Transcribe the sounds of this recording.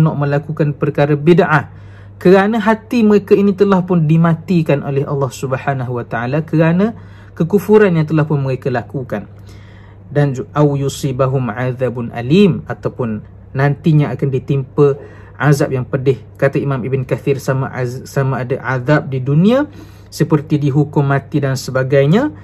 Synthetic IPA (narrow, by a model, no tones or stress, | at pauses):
nɔʔmə̃lakukanpərkaɾabidʕah | kəɾanə̃ɦat̪iməɾekainĩt̪əlahpʊndimãt̪ikanʔolɛɦʔɑ̰lːɑhsubəħanaɦuwat̪aʔalakəɾanə̃ | kəkufuɾanjaŋt̪̬əlahpʊnməɾekalakukan | danʔawjusibaɦʊmʕaðabnʔa̰limat̪awpʊnː | ãnt̪iɲãʔakandit̪impə | ʕazap̚jaŋpədɪh | kat̪aimamibənkaθirsama̰samaadaʕaðap̚didunĩã | səpərt̪idiɦukʊmːãt̪idansəbaɡajɲã